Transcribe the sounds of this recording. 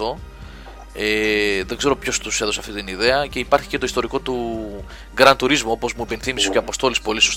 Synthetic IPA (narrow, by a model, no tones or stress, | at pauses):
o̞ | eðe̞ɡze̞ɾopço̞st̪use̞ðosɐft̪it̪iniðe̞ɐce̞ipɐɾçi̥ce̞t̪o̞ist̪o̞ɾiko̞t̪u | ɡɾɐnt̪uɾizmoo̞po̞zmuepe̞nθimiscoɐpo̞st̪o̞lispo̞liso̞s